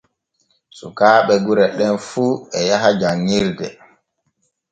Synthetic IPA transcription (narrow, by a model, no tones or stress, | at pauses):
sukaːɓɛɡuɾɛɗɛnfuːɛjaɦad͡ʒaɲːiɾdɛ